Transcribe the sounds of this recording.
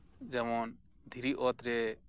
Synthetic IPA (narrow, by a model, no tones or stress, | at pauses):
d͡ʒɛmɔn | d̪ʱiɾiʔɔt̪ɾɛ